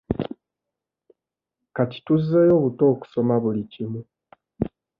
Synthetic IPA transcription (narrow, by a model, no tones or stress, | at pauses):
kaci̥tuzːejo̞ːβuto̞ːku̥so̞maβulicimu